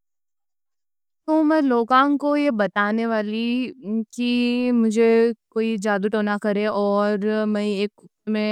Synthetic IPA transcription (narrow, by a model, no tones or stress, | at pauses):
t̪omɛ̃ːloːkãːŋkojebɐt̪aːneʋaːlikimʊd͡ʒʱekoːid͡ʒaːd̪uʈoːnakɐɾẽʔɔːɾmɛ̃eːkʊmẽ